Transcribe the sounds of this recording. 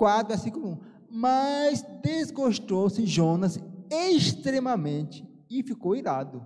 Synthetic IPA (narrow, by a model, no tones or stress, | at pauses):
kwat̪ɾʊasĩkomũ | mɐzd̪ezɡoʃt̪owsɪʒõnɐzeʃt̪ɾẽmɐmẽnt͡ʃɪ̥ | ɪfikowiɾad̪ʊ